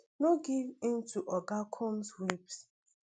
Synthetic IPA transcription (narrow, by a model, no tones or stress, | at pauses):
noɡivĩntuʔɔɡakʰɔ̃mswips